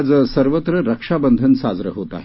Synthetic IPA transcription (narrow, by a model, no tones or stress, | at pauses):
d͡zəsəɾʋət̪ɾəɾəkʂabənd̪ʱənsad͡zɾə̰ɦot̪a̰ɦ